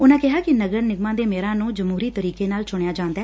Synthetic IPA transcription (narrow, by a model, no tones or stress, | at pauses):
ʊnãːkɪɦaːkɪnəɡəɾnɪɡmãːd̪eːmeːɾãːnũːd͡ʒəmɦuːɾiːt̪əɾiːkeːnaːlt͡ʃʊɽ̃ejaːd͡ʒãːnd̪aɛː